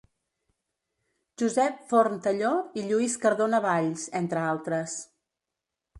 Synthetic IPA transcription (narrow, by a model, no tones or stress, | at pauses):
ʒuzɛpfoɾmt̪əʎoiʎuiskəɾðonəβaʎsent̪ɾəalˠt̪ɾəs